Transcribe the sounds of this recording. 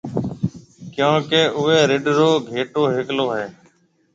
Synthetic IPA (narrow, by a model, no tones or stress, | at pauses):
kjãːkeːʔʊʋeːɾɪɖɾoːɡʱeːʈoːɦɪkloːɦeː